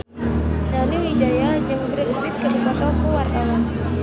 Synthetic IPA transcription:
naniwid͡ʒajad͡ʒɨŋbərupɪt̪̚kədubat̪akuwart̪awan

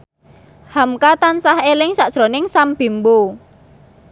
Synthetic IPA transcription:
hamkat̪ansahelɪŋsaʔʒ̥ɾonɪŋsamb̥i̤mbo

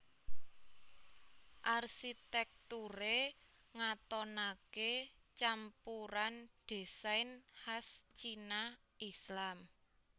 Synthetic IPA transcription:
ʔarʃit̪ɛk̚t̪uɾe | ŋat̪ɔnake | t͡ʃampuɾand̪̥e̤sajnhast͡ʃina | islam

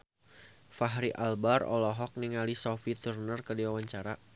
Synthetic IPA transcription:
faɦɾiʔalbaɾɔ̰lɔɦɔk̚niŋalisɔfit̪urnərkədiwawaɲt͡ʃaɾa

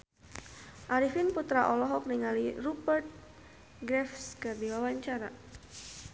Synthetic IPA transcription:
ʔaɾifɪnput̪ɾaʔɔlɔɦɔk̚niŋalirupərt̪̚ | ɡɾɛfskɨrdiwawaɲt͡ʃaɾa

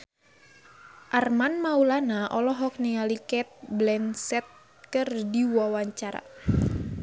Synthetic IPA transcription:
ʔarmanmaulanaʔɔlɔɦɔk̚nialikɛt̪̚blɛnsɛt̪̚ | kɨrdiwawaɲt͡ʃaɾa̰

